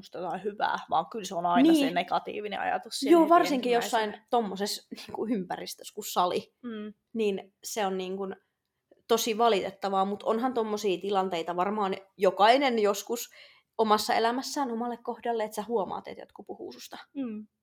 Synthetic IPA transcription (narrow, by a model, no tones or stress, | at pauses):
ust̪ot̪ɑihyʋæ̰ːʋɑ̰ːŋkylseonɑinisːneɡɑt̪ḭːʋinḛɑ̰jɑ̰t̪ussijoːʋɑrsiŋkijosːɑint̪omːosesniːŋkuympærist̪ø̥skussɑli | niːn | seonniːŋkun | t̪osiʋɑlit̪et̪ːɑʋɑːmut̪o̰nhɑnt̪omːosiːt̪ilɑnt̪eit̪ɑʋɑrmɑːnjokɑinenjoskus | omɑsːɑḛlæmæsːæːnomɑlːekkohdɑlːeet̪sæhuomɑ̰ːt̪ḛt̪jo̰t̪kupuhṵːsust̪ɑ